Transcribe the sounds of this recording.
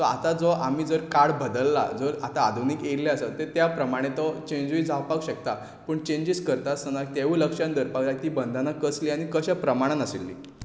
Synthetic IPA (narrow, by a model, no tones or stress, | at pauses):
t̪ɔa̰t̪ad͡zɔʔam̤iːd͡zəɾkaɽbəd̪əlːa̰d͡zɔɾat̪aːd̪ʱunikeɾleəsət̪et̪japɾəmaɽ̃ẽt̪ɔt͡ɕẽɲd͡ʑʋiːd͡zʱawpaɡɕək̚t̪a | pəːɳt͡ɕẽɲd͡ʑiskəɾt̪asənak̚t̪eʋuləkʂjãnd̪əɾpaɡlak̚t̪iːbənd̪ʱanakəsliːaɽ̃ikəɕapɾəmaɽ̃anəsilːḭ